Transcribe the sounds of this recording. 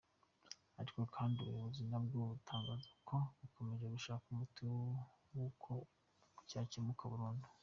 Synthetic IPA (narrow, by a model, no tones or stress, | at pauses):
aɾiko̞kʰaːndiuβujuβuzinabɡuβutʰaːŋɡaːzokʰo̞βuko̞me̞ʒeɡuʃaːkumutiw | wukʰo | ku̥cacemukʰaβuɾuːndu̥